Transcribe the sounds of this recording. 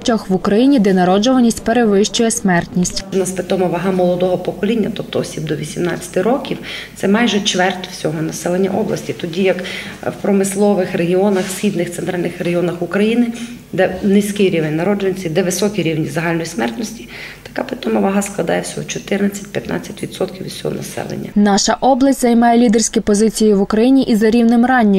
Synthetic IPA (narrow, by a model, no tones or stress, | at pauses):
tʲɔxʋʊkɾɐjinʲid̪ɛnɐɾɔd͡ʒʊʋɐnʲisʲtʲpeɾeʋɪʃt͡ʃʊjɛsʲmɛrt̪nʲisʲtʲnaspet̪ɔmɔʋaɦamɔlˠɔd̪ɔɦɔpɔkɔlʲinʲːɐt̪ɔp̚t̪ɔɔsʲib̚d̪ɔʋʲisʲimna̰t͡sʲɐ̥t̪ɪɾɔkʲiwt̪sɛmɑjʒɛt͡ʃʋɛrt̪ʲwsʲɔɦɔnɐsɛlˠenʲːɐ̰ʔɔblˠɐ̰sʲtʲit̪ɔdʲijɐkwpɾɔmɪslˠɔʋɪxreɦiɔnɐxsxʲib̪nɪxt̪ɛnt̪ɾʔalʲnɪxreɦiɔnɐxukɾɐjinɪ | d̪ɛnɪsʲkɪɾʲiʋenʲnɐɾɔd͡ʒenʲt͡sʲid̪ɛʋɪsɔkʲiɾʲiwnʲizɐɦɑlʲnɔjismɛrt̪nɔsʲtʲi̥ | t̪ɐ̥kapɾɪt̪ɔmɔʋaɦɐsklˠɐd̪ɑjɛwsʲɔɦɔt͡ʃɔt̪ɪrnɐt͡sʲːɐ̥t̚ʲpjɐt̪nɑ̰t͡sʲːɐtʲʋʲid̪sɔt̪kʲiwʲi̥sʲɔɦɔ̰nɐ̰sɛ̰lˠḛnʲːɐ̰nɑʃɐʔɔblˠɐsʲtʲzɐjmɑjɛlʲid̪ersʲkʲɪpɔzɪt͡sʲijɪʋʊkɾɐjinʲiʔizɐɾʲiwnɪmɾɑnʲːɐ